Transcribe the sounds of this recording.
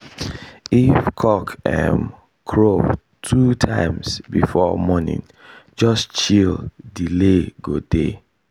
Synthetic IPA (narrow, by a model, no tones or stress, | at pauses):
ifkʰɔkɛ̰̃n | kʰɹov | tʰutʰãɪ̃msbifɔmɔnḭ̃ŋ | d͡ʒʌst͡ʃildileɡode